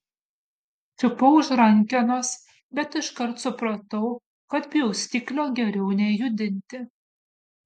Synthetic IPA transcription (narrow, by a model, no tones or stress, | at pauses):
fʲɪpɐʊʒɾɐŋʲkʲɛnos | bʲɛt̪ɪʃkɐɾt̪sʊpɾɐt̪ɐʊ | kɐt̪bʲjɛʊsʲt̪ʲɪklʲoːɡʲɛɾʲɛʊnʲɛjʊd̪ʲɪnʲt̪ʲɪ